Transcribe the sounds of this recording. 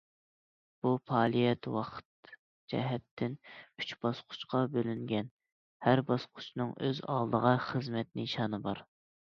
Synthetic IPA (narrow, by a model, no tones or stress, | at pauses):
b̥upʰɑːlˠijɛt̪wɑqʰt̪ | d͡ʒɛ̰ɦɛt̪ʰːɪnyt͡ʃb̥ɑsqʰʊ̥t͡ʃqʰɑbølyŋɡʲɛn | hæɾbɑsqʰʊ̥t͡ʃnɨŋøzɑ̰lˠd̪əʁɑχəzmɛt̪niʃɑːnɨbɑɾ